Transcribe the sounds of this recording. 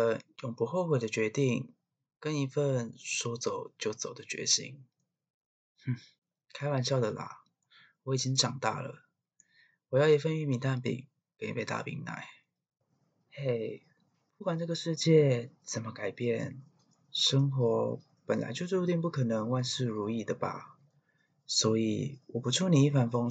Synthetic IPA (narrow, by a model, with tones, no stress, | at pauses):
jʊ˨˩ŋpu˧˦xo˥˧ʊxwe˨˩ɪd̪ə˨t͡ɕɥɛ˧˥t̪i˥˧ŋ | kə˧˥ni˧˥fə˥˨nʂɔ˥t͡so˨˦ʊt͡ɕjo˥˩ʊt͡so˨˩ʊd̪ə˦t͡ɕɥɛ̰˧˥ɕḭ˥ŋ˥˩ | kʰa˥ɪwa˧˥˦nɕjɑ˥˩ʊd̪ə˨lɐ̰˨˩ | wɔ˧˦i˨˩t͡ɕi˦˥ŋʈ͡ʂɑ˨˩ŋt̪ɑ̰˥˩lə̰˩ | wɔ˨˩jɑ˥˩jɛ˨˩fə˥˧ny˥˩mi˧˥nt̪a˥˩npḭ˨˩ | pe˨˦ɪ˥pe˨˩ɪt̪a̰˥˩pḭ˧˥ŋna̰˧˩˦ɪ | e˥˩ɪ | pu˥˩kwa˨˩nʈ͡ʂɤ˥˩ɡə˨˩ʂɻ̩˥˧t͡ɕjɛ˥˨t͡sə˨˩mə˦ka˨˩ɪpjɛ˥˩n | ʂə˥ŋxwɔ˧˥˦ | pə˨˩nla̰˨˧˥ɪt͡ɕjo˥˧ʊʂt̪i˥˧ŋpu˥˩kʰɤ˨˩nɤ˧˦ŋwa˥˧nʂɻ̩˥˩ɻu˧˥i˨˩d̪ə˩ba̰˩ | swɔ˧˥ḭ˨˩wɔ˨˩pu˧˦ʈ͡ʂʰu˥˩ni˨˩i˥˩fa˧˥nfo˥ŋ